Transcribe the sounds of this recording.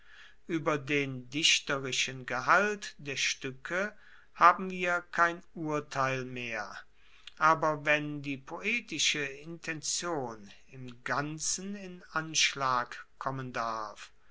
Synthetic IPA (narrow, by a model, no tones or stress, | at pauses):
ʔyːbɐdeːndɪʃtəʁɪʃənɡəɦaltd̥eːɐʃtʏkʰə | haːbm̩viːɐkʰaɪnuːɐtʰaɪlmeːɐ | ʔaːbɐvɛndiːpʰoʔeːtɪʃəɪntʰɛnt͡sjoːn | ɪmɡant͡sən̩ɪnʔanʃlaːkkʰːɔməndaɐf